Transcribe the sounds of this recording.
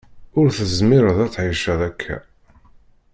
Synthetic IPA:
ʊɾθəzmɪɾəðæt͡sːʕiʃəðækʰːæ̰

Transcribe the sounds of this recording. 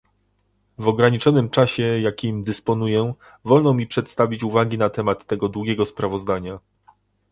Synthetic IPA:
vɔɡɾaɲit͡ʂɔnɘmt͡ʂaɕɛjakʲimd̪ɘspɔn̪ujɛ | vɔlnɔmʲipʂɛt̪st̪avʲit͡ɕuvaɡʲinat̪ɛmat̪ːɛɡɔd̪wuɡʲɛɡɔspɾavɔzd̪aɲa

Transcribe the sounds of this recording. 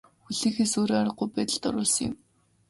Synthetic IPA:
xuɮiːxeːsoːɾaaɾə̆ɢʊjpæːt̪ə̆ɮt̪ɔ̰ɾʊːɮsə̆ŋjɪ̰̆m

